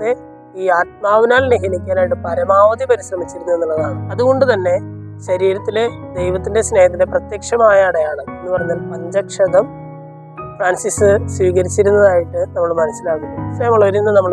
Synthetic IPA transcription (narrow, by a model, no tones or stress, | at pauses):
e | iːaːt̪̚maːʋinaːlineɦinikʲːaːnaːjiʈːɨpɐɾɐmaːʋɐd̪jipɐɾisrɐmit͡ɕːiɾunːɐe̞nːuɭːɐðaːɳɨɐðuɣo̞ɳɖɨt̪ɐnːe̞ | ɕɐɾiːɾɐt̪ːile̞d̪ejʋɐt̪ːinde̞sne̞ːjɐt̪ːileprɐt̪jekʂɐmaːjaːɽejaːɳɨe̞nːɨpɐrɐɲːaːlpɐɲd͡ʑɐkʂɐðɐm | fraːnsisɨsʋiːɣɐɾit͡ɕːiɾunːɐðaːjiʈːɨnɐmːɐɭmɐnɐsilaːkunːɐsɐjɐmɐɭːɐʋɐɾinːɐnɐmːɐɭ